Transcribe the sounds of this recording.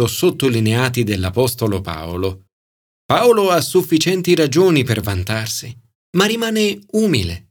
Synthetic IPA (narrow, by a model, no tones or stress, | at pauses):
osot̪ːolineaːt̪id̪elːapɔst̪olopa̰olo | paoloasufːit͡ʃɛnt̪iɾad͡ʒoːnipervant̪arsi | marːimaːneuːmilḛ